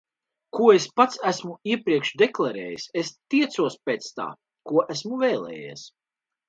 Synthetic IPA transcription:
kuɔespat̪sæsmuiɛpɾiɛkʃd̪eklˠaɾɛ̰ːjisest̪iɛt̪suɔspeːt̪st̪a̰ː | kuɔʔæsmuvɛːlˠɛ̰ːjḭɛs

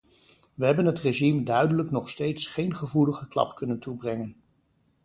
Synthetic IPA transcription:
ʋəɦɛbənɦətreʒimdœɥdələknɔχstejtsχejnχəvuləχəklɑ̰pkɵnəntubrɛŋən

